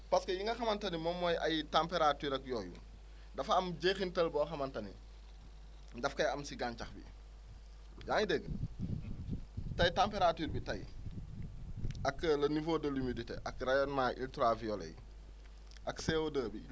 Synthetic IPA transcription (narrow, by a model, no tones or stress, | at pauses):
pɐskɐjiŋɡɐxɐmɐntɐnimɔmːɔjʔɐjtampeɾatyːɾɐkjɔːjṵ | dɐfɐmɟexintɐlbɔxɐmɐntɐnḭ | dɐfkɐjɐmsiɡaːnt͡ʃɐxbḭ | jaːŋidɛɡ | tɐjtampeɾatyːɾbitɐj | ɐklɐnivoːdɐlimiditḛʔɐkrajɔnmaʔiltɾavijɔlḛj | ʔɐksewodəːbi